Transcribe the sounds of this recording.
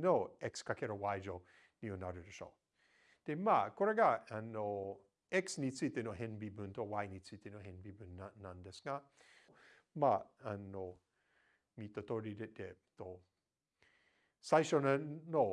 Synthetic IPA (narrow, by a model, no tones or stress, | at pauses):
noɛkskakʰɛɾowajd͡ʒo | nionaɾədəʃo̰ | temakoɾaɡaanːo | ɛksnit͡sit̪enoɦɛnbibuntowajnit͡sit̪enohɛnbibʉnːanandɛsŋa | maanːo | mitotoɾidɛd̥eto | sajʃonano